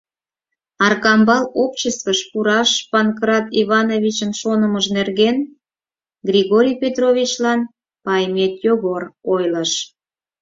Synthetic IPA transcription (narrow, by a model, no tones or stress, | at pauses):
ɑrkɑmbɑlopt͡ɕəst̪kəʃpuɾɑʃpɑnkrɑt̪iβɑnovʲit͡ɕənʃonəməʒnerɣen | ɡrʲiɣoɾʲijpʲet̪rovʲit͡ɕlɑn | pɑjmʲet̪joɣorojləʃ